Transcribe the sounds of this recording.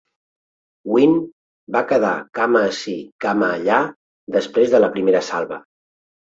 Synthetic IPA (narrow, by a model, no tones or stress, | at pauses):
win | bakəða̰kaməːsikaməːʎa | d̪əspɾezðələpɾimeɾəsalˠβə̰